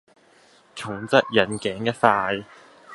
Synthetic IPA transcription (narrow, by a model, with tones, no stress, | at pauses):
t͡sʰʊ˨˩ŋt͡sɐ˥t̚jɐ˨˩nkɛː˨˥ŋjɐ˥t̚faː˧j